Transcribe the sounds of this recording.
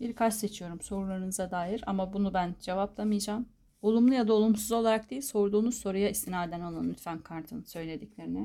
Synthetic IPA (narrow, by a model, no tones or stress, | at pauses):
biɾkʰat͡ʃse̞t͡ʃʰijo̞ɾumso̞ɾulˠaɾɯnɯzad̪aːjiɾa̰mabunubænd͡ʒe̞vaplˠamɯjd͡ʒaːm | o̞lˠumlˠujad̪aolˠumsuzo̞lˠaɾak̚d̪ejilʲso̞ɾd̪uːnuzso̞ɾujaist̪inaːd̪ænalˠanːyt̪fæmkʰaɾt̪ʰɯnɯsø̞jlʲe̞d̪iclʲe̞ɾinɪ